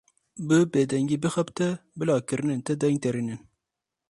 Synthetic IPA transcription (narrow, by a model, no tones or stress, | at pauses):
bɨbeːd̪ɛŋɡiːbɨxɐpt̪ɛbɨlɑːkɨɾɨnɨnt̪ɛd̪ɛŋɡ̚t̪ɛɾinɨn